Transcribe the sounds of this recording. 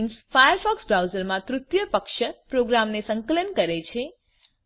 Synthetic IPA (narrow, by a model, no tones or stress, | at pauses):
ŋsfajəɾfɔksbɾawzəɾmãt̪ɾut̪jəpəkʃəpɾoɡɾamnesəŋkələnkəɾet͡ʃʰe